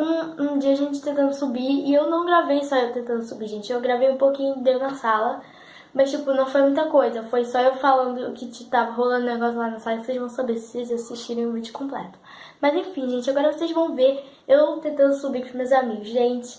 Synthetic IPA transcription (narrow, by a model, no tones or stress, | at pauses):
ũũd͡ʒiɐaʒẽnt͡ʃɪt̪ẽnt̪ɐ̃nd̪ʊsubiɪewnɐ̃w̃ɡɾavejsɔewt̪ẽnt̪ɐ̃nd̪ʊsubiʒẽnt͡ʃɪewɡɾavejũpokĩɲʊd̪ewnɐsalɐ | mɐst͡ʃipʊnɐ̃w̃fojmũj̃t̪ɐkojzɐfojsɔewfalɐ̃nd̪ʊkɪt͡ʃɪt̪avɐɦolɐ̃nd̪ʊneɡɔsjʊlanɐsalɐivoseʒvɐ̃w̃sabesɪ̥sezasiʃt͡ʃiɾẽj̃ʊ̃vid͡ʒʊkõmplɛ̰t̪ʊ̥ | mɐzẽfĩʒẽnt͡ʃɪaɡɔɾɐvosezvɐ̃w̃veɾ | ewt̪ẽnt̪ɐ̃nd̪ʊsubikũmewzamiɡʊsʒẽnt͡ʃɪ̥